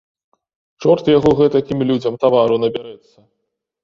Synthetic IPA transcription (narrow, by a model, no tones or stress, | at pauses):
t͡ʂɔrt̪jaɣɔɣɛt̪akʲimlʲud͡zʲɐmt̪avaɾunɐbʲaɾɛt̪sːɐ